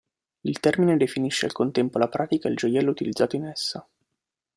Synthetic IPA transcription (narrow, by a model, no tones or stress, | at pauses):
ilt̪ɛrmined̪efiniʃːea̰lkont̪ɛmpolapɾʔaːt̪ikaild͡ʒojɛlːout̪ilid̪zːaːt̪oinɛsːa